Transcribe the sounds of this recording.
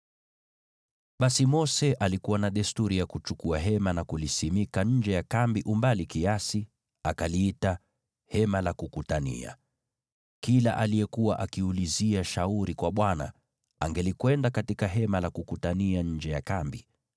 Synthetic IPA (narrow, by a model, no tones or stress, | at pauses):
ɓasimɔsɛʔalikuwanaɗɛstuɾijakut͡ʃukuaɦɛmanakulisimikaɲ̩d͡ʒɛjakambiʔumbalikiasi | akaliita | hɛmalakukutanḭa̰ | kilaʔalijɛkuwaʔakiuliziaʃauɾikwaɓwana̰ | aŋɡɛlikwɛndakatikaɦɛmalakukutaniaɲ̩d͡ʒɛjakambi